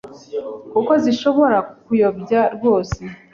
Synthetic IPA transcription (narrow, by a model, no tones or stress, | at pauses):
kuko̞ziʃo̞βo̞ɾakujo̞bɟaɾɡwo̞ːse